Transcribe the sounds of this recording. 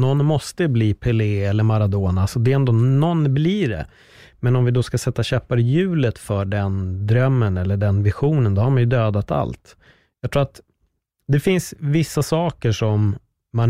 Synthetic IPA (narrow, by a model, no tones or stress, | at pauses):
nɔnːmɔst̪əbliːpʰɛleːɛlːəɾmaɾad̪oːnaalsɔd̪ɛɛnd̪oːnɔnːbliːɖɛ̰ | mɛnɔmvɪd̪ɔskasɛt̪ːaɕœːpaɾɛjʉ̟ːlət̪fœɖɛnd̪ɾœmːənɛlːəɖɛnvɪɧuːnənd̪ɔhaɾmanjɵd̪øːd̪at̪a̰lt̪ | jɑkt̪ʰɾuːɾat̪ | d̪ɛfɪnsvɪsːasɑːkəʂɔmː | an